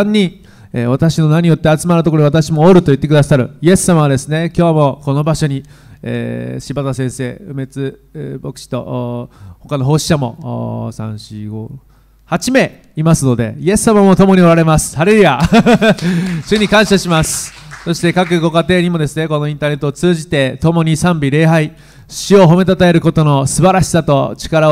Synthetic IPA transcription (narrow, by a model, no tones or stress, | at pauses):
ɲʲːĩ | eβat̪aɕino̞naɲ̟ijo̞t̪ːe̞at͡sɨmanɯ̟t̪okoɾoiat̪aɕimo̞ːɾɯ̟t̪o̞it̪ːekɯd̪asaɾɯ̟ie̞sːamaβad̪e̞sɨne̞kʲo̞ːamo̞ko̞no̞baɕo̞ɲ̟i | ḛːɕibat̪asẽɰ̃se̞ːɯme̞t͡sɨbo̞kɯ̥ɕi̥t̪o̞̰ʔho̞kano̞ɦo̞ːɕi̥ɕamo̞̰sã̰ɰ̃ɕiɡo | hat͡ɕime̞ | imasɨno̞d̪e̞̰ie̞sːamamo̞t̪o̞mo̞ɲ̟io̞ɾaɾe̞masɨ̥haɾeɯja | ɕɨɲ̟ikãɰ̃ɕaɕimasɨ̥so̞ɕi̥t̪e̞kak̬ɯ̟ɡo̞kat̪e̞ːɲ̟imo̞d̪e̞sɨne̞ko̞no̞ĩnt̪aːne̞t̪ːoot͡sɨːʑit̪e̞t̪o̞mo̞ɲ̟isãmbʲiɾe̞ːɦai | ɕio̞ɦo̞me̞t̪at̪ae̞ɾɯ̟ko̞t̪o̞no̞sɨbaɾaɕi̥sat̪o̞t͡ɕi̥kaɾa